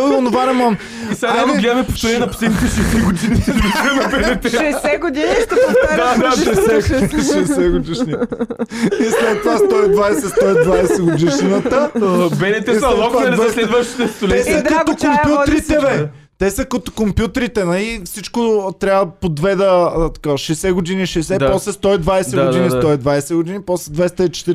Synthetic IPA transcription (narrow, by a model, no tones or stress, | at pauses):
ionʊvanɛmɔn | isaanɡlʲamɛpoft̪oɾɛnʲinɐpo̥slɛd̪nit̪ɛʃɛsiɡʊd̪inid̪iɾɐmɛbɛnɛt̪ɛʃʃɛsɛɡod̪iniɐd̪ad̪aʃɛsɛɡod̪iniʃɛsɛɡod̪iʃni | islɛt̪ːovast̪ɔid̪vajsɛst̪ɔid̪vajsɛɡod̪iʃnət̪əbɛnɛt̪ɛisɛt̪vɛd̪vslɛd̪vəʃt̪i̥t̪ɛst̪olɛsɐkɐt̪okompjut̪ɾit̪ɛvɛ | t̪ɛsəkɐt̪okompjut̪ɾit̪ɛnɐlifsit͡ʃkot̪ɾʲaəpod̪vɛd̪ət̪ɐ̥kaʃɛsɛɡoʊd̪iniʃɛsɛppɔslɛst̪ɔid̪vajsd̪ɛɡoinist̪ɔid̪vajsɛɡod̪inipɔslɛd̪vɛjst̪əit͡ʃɛ̥t̪iɾ